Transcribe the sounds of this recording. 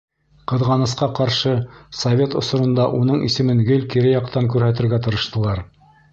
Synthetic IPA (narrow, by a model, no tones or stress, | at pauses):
qɤ̆ðʁɑnɤ̆sqɑqɑɾʃɤsɐvʲe̞t̪ŏsŏɾɤ̆nd̪ɑʔunɤɴisɘ̆mɘŋɡɵlkiɾɘjɑqt̪ɑŋkʉɾhæt̪̬ɘ̆ɾɡæt̪ɤ̆ɾɤ̆ʃt̪ɤ̆lˠɑɾ